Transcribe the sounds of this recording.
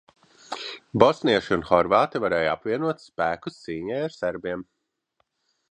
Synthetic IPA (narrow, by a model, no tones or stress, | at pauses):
bɔsniɛʃiunxɔɾvaːt̪ivaɾɛːja̰pviɛnuɔt̪spæːkust̪siːɲɛjaɾsæɾbiɛm